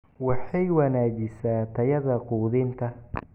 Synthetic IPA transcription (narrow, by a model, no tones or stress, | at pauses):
wɑħɑjwɐnaːt͡ʃɪsaːt̪ʰɐjɐðɐquːðɪnt̪ʰɐ